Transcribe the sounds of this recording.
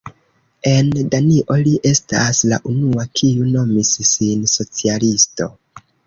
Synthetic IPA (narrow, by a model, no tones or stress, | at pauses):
e̞ndaniʔo̞liʔe̞stasla̰ʔunuakʰiuno̞missinso̞t͡sialisto̞̰